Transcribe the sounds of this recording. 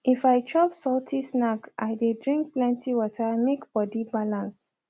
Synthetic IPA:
ifaɪt͡ʃɔpsɔltʰisnaka̰ɪdedɹĩŋk̚plɛ̃ntʰiwɔtaɪmekb̥ɔdibalãns

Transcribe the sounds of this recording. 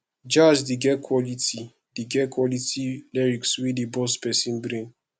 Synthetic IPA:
d͡ʒad͡ʒdiɡɛkʰwɔliti | diɡɛkʰwɔlitilɛɹikswidibɔspɛsĩnbɾĩn

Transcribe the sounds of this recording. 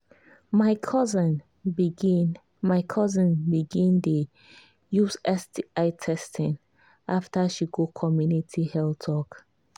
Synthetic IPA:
maɪkʰɔzə̃n | biɡin | maɪkʰɔzə̃nbiɡĩnde | juzɛstiaɪtʰɛstʰĩn | aftaʃiɡokʰɔmjunitʰihɛltʰɔk

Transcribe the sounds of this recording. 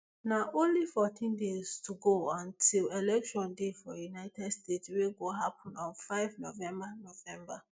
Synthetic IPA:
naʔõnlifɔtʰĩndez̥tʰuɡoɔ̃ntʰilɛlɛkʃɔ̃ndefɔjunaɪtɛdstetsweɡoɦapʰɔ̃nɔ̃nfaɪvnovɛ̃mbanovɛ̃mba

